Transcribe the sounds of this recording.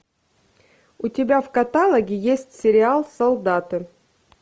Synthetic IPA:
ʊtʲɪbʲafkɐt̪alˠəɡʲɪjesʲtʲsʲɪɾʲɪalˠsɐlˠd̪at̪ɨ

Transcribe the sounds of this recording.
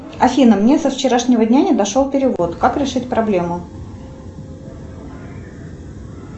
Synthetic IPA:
ɐfʲinəmnʲesəft͡ɕɪɾaʂnʲɪvədʲnʲanʲɪd̪ɐʂolˠpʲɪɾʲɪvo̞t̪kakɾʲɪʂɨtʲpɾɐblʲe̞mʊ

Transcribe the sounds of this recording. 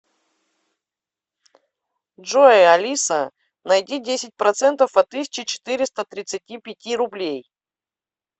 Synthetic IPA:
ʐoɐlʲisə | nɐjdʲidʲesʲɪt̚ʲpɾɐt̪sɛnt̪əfɐt̪ːɨsʲɪ̥t͡ɕɪt͡ɕɪ̥t̪ɨɾʲɪst̪ət̪ɾʲɪt̪sɨtʲipʲɪtʲiɾʊblʲej

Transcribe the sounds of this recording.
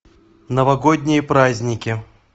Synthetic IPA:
nəvɐɡod̪ʲnʲɪjəpɾazʲnʲɪkʲɪ

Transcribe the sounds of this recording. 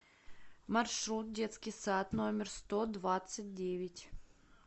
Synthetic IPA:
mɐrʂɾut̪̚dʲe̞t̪skʲɪjsat̪no̞mʲɪrst̪od̪vat̪sɨt̚ʲdʲevʲɪtʲ

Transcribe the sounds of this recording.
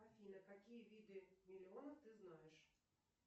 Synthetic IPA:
ɐfʲilʲɐkɐkʲijɛʋʲid̪ɨmʲilʲɪɔnɐxt̪ɪznajɛʂ

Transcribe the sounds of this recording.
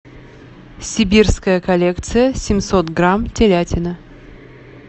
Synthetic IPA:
sʲɪbʲirskəjəkɐlʲekt̪sɨjəsʲɪmʲsot̪ɡɾamtʲelʲætʲɪnə

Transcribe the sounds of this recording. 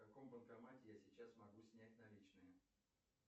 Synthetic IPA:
kɐko̞mpənkɐmatʲɪjasʲɪt͡ɕasmɐɡusʲnʲæt̚ʲnɐlʲit͡ɕnɨjə

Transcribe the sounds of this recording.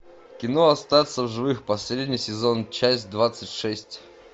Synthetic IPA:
kʲɪnoɐst̪at̪səvʐɨvɨxpɐsʲɾʲedʲnʲɪjsʲɪzo̞nt͡ɕæsʲtʲd̪vat̪sɨtʲʂɛsʲtʲ

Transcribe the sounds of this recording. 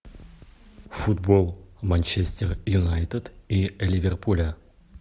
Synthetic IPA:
fud̪bolˠmanʲt͡ɕesʲt̪ʲerjunajt̪əd̪ielʲivʲerpʰulʲa

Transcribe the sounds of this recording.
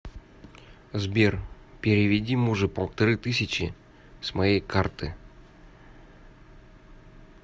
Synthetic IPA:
zbʲer | pʲɪɾʲɪvʲɪdʲimuʐɨpəlˠt̪ɐɾɨt̪ɨsʲɪt͡ɕɪ̰ | smajejkʰart̪ɨ

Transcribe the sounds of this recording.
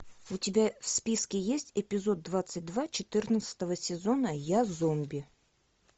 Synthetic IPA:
ʊtʲɪbʲafspʲiskʲɪjesʲtʲɪpʲɪzo̞d̪̚ːvat̪sɨt̚ʲd̪vat͡ɕɪt̪ɨrnət̪sə̥t̪əvəsʲɪzo̞nəjazomʲbʲɪ

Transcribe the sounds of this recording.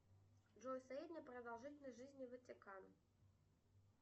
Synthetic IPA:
ʐɔjsajed̪ʲnʲɐpɾɐd̪alˠʐɨtʲnɐjʐɨzʲnʲivɨt͡sʲɪkan

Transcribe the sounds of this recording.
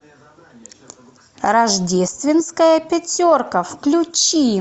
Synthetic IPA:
ɾɐʐdʲest̪vʲɪnskəjəpʲɪtʲorkəfklʲut͡ɕi

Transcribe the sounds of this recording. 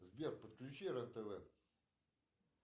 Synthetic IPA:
zbʲerpət̪̚klʲʉt͡ɕiɾɛnt̪əvɛ

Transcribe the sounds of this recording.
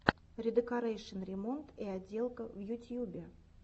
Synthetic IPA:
ɾʲɪd̪ɨkɐɾejʂənɾʲɪmo̞nt̪iadʲːe̞lˠkəvjʊtʲjubʲɪ

